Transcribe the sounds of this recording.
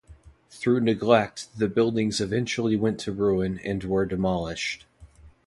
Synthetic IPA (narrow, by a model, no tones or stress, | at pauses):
θɹʉnɨɡlɛk̚t̪̚ðɨbɪlˠdɪ̃ŋzɨvɛ̃nt͡ʃl̩ˠiwɛ̃ntʰɨɹʉɨ̃nɨ̰̃nwə˞dɨmɑlˠɪʃt̚